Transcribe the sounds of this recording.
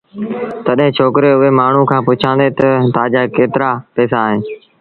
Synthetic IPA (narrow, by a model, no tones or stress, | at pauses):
t̪əɗɦːt͡ʃʰoːkɾeːʊɦeːmaːɳ̤ũːkʰãːpʊt͡ʃʰãːnd̪eːt̪ət̪aːd͡ʒaːekeːt̪ɪɾaːpeːsaːɦẽː